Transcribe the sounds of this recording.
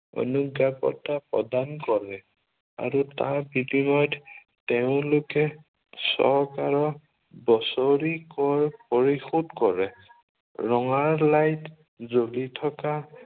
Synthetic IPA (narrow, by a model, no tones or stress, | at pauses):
ɔ̰nuɡapɔ̰tapɹɔdankɔɹɛ | a̰ɹuta̰ɹbidimɔjt | tɛʊ̃lʊkɛ | sɔ̰ɹkaɹɔ | bɔsoɹikɔɹpoɹixudkɔɹɛ | ɹɔŋaɹlajt | zolitʰɔka